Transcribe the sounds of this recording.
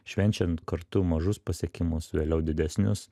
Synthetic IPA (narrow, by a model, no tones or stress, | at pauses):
ʃʲʋʲɛnʲt͡ʃʲɛnt̪kɐɾt̪ʊmɐʒʊspɐsʲɛkʲɪmʊsʋʲeːlʲɛʊd̪ʲɪd̪ʲɛsʲnʲʊs